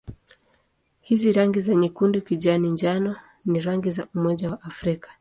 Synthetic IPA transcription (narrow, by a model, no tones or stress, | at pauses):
hiziɾaŋɡizaɲɛkundikiʄaniɲd͡ʒanɔ | niɾaŋɡizaumɔʄawaʔafɾikḁ